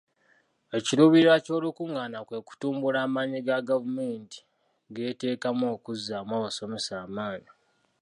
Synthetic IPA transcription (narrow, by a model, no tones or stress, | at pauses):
e̞ciluβiɾaco̞ːlukuŋɡanakwe̞ku̥tuːmbulaːmaːɲiɡaɡavume̞ːnti̥ | ɡe̞ːte̞ːkamo̞ːkuzːamwawaso̞mesaːmaːni